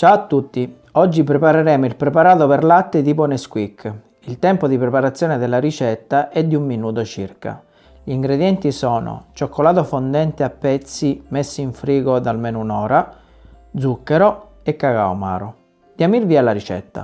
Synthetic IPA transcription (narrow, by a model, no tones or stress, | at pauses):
t͡ʃaat̪ːut̪ːi | ɔd͡ʒːipɾepaɾeɾɛːmoilpɾepaɾaːt̪operlat̪ːet̪iponeskwikː | ilt̪ɛmpod̪ipɾepaɾat̪sːjɔːned̪elːaɾit͡ʃɛt̪ːaʔɛd̪ːiumːinuːt̪̬ot͡ʃirka̰ | ʎiːŋɡɾed̪jɛnt̪isɔːno̰t͡ʃokːolaːt̪ofond̪ɛnt̪eapːɛt̪sːimesːiiɱfɾiːɡod̪almeːnounɔːɾa | d̪zukːeɾo | ekːaka̰wma̰ːɾo | d̪̥iamirviːalaɾit͡ʃɛ̰t̪ːa̰